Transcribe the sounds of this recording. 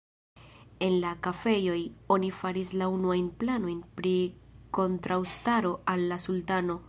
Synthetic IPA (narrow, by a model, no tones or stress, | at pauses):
e̞nlakafe̞jo̞jo̞nifaɾislaunuajnplano̞jnpɾiko̞ntɾawstaɾo̞ʔalːasultano̞